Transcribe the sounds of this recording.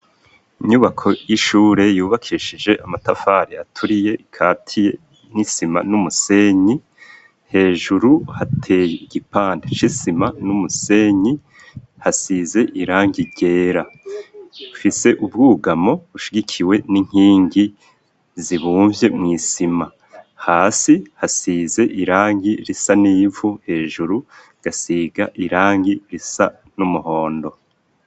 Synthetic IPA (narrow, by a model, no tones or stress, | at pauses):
iɲuβakʰo̞jiʃuːɾe̞juːβakʰiʃid͡ʒe̞ʔamatafaɾiatʰuɾije̞ʔikʰaːtʰije | nisima̰numuse̞ːɲi | he̞ːʒuɾuhatʰejɟipaːndet͡ʃisimanumuse̞ɲi | hasize̞ʔiɾaːŋɡiɟe̞ːɾa | ufise̞ʔubɡuːɡamo̞βuʃiɡikʰiwe̞niŋ̥hiːŋɡi | ziβuːɱvje̞mŋiːsima | haːsihasiːze̞ʔiɾaːŋɡiɾisaniːvuhe̞ːʒuɾu | ɡ̥asiɡaʔiɾaːŋɡiɾisa | numuho̞ːndo̞